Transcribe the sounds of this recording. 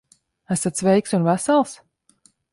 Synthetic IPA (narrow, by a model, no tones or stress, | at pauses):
æsat̪svɛjksunvæsalˠs